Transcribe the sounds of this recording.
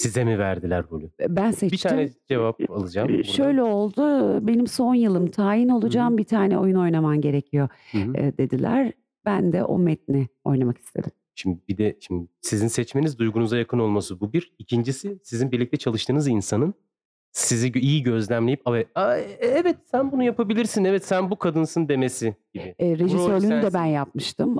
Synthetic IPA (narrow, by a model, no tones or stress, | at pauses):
sizemivæɾd̪ilʲæɾbolʲʊbænsɛt͡ʃbit̪ʰaːnɛd͡ʒevap̚alˠɯd͡ʒamʃø̞jlʲɛo̞lˠd̪ʊbe̞nimso̞njɯlˠɯmt̪ʰaːjino̞lˠud͡ʒaːmbit̪ʰaːnɛo̞juno̞jnamamɟe̞ɾe̞cʰijo̞d̪e̞d̪ilʲæ̰ɾ | bænd̪ɛ̰ʔo̞̰mɛt̪̚nɪo̞̰jnamaki̥st̪ʰe̞̰d̪im | ʃimd̪ibid̪ɛʃimd̪ɪsizinsɛt͡ʃmenizd̪ujɡunuzajakʰɯno̞lˠmasɯbubiɾicʰind͡ʒisisizinbiɾlʲic̚t̪ʰɛt͡ʃʰalˠɯʃt̪ʰɯːnɯzinsanɯn | siziijiɟø̞zlʲæmlʲe̞jipavɛaɛvɛt̪sænbunujapabilʲiɾsinɛvɛt̪sænbukʰad̪ɯnsɯnd̪e̞mesiɟ̥ibɪɾeʒisøɾlʲynyd̪ɛbænjap̚mɯʃt̪ʰɯm